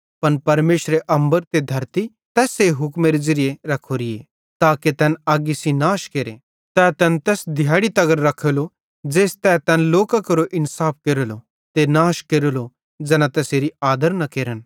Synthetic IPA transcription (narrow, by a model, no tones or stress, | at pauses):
pɐnpɐɾmeːʃɾeʔɐ̃mbəɾt̪ed̪ʱɐɾt̪i | t̪ɛːseɦʊkmeɾed͡ʒɪɾɪjeɾɐkʰːoɾɪje | t̪aːket̪ɛːnaːɡisinaːʃkeːɾḛ | t̪ɛt̪ɛnt̪ɛːsd̪ʱjaːɽit̪ɐɡəɾːɐkʰelo | d͡ʒeːst̪ɛt̪ɛːnloːkakɐɾoʔɪnsaːp̚ʰkeːɾolo | t̪enaːʃkeːɾolo | d͡ʒɛːnat̪ɛːseːɾiaːd̪əɾnɐkeːɾən